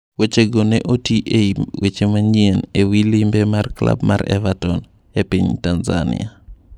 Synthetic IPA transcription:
wet͡ʃeɡoneʔotiʔewet͡ʃemaɲienewilimbemarkla̰bmʔa̰ɾɛ̰vatɔn | epiɲtanza̰nɪ̰a

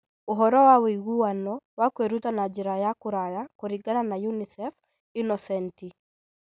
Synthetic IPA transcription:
oɦɔɾɔwawɛiɣuwanɔwakweɾutanad͡ʒiɾajakuɾajakoɾiɡananajunisɛf | inɔsɛnti

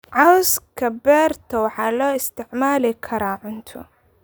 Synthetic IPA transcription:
ʕawskʰɐbɛːɾt̪ʰɐwħɑlɔːɪst̪ɪʕmaːlɪkʰɐɾaːʕʊnt̪ʰʊ̰

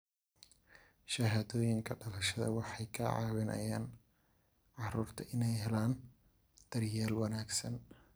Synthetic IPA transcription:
ʃɐɦaːðɔːjɪŋkʰɐɖɐlɐʃɐðɐ̰wɑħɑjkʰɐʕɑ̰ːβɪnʔɐ̰jaːn | ʕɑruːrt̪ʰɐʔɪnɛjɦɛlaːn | d̪̥ɐrjaːlwɑnaːɡsɐn

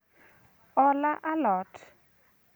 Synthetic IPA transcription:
ɔlaʔalɔːtʰ

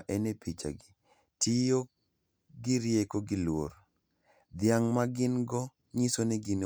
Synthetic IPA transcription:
ʔɛnepit͡ʃa̰ɡɪ | tɪjo | ɡɪɾjekoɡɪlwo̰ɾ | d̪ɪaŋmaɡɪnɡɔ | ɲisoneɡin

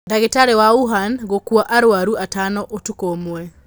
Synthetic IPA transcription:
daɣetaɾewauɦanɣokwaʔaɾwaɾuʔatanɔʔotukomwɛ

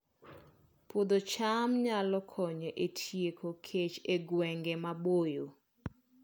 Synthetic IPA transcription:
pod̪ot͡ʃamɲalɔkʰɔɲeʔetʰjekʰokʰet͡ʃeɡwɛŋɡɛmabojo

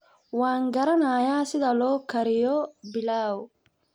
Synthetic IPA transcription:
waːŋɡɐɾɐnaːjaːsɪðɐlɔːkʰɐɾɪjɔbɪlaːw

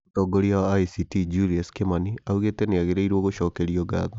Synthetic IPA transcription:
tɔɡoɾjaːisitid͡ʒuliaskemaniauɣeteneaɣeɾeiɾwoɣoʃɔːkeɾjɔɡa̰ðo

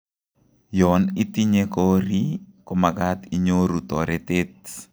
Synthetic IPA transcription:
jɔnitiɲekɔɾikɔmakat̪iɲoɾutɔɾetet̚

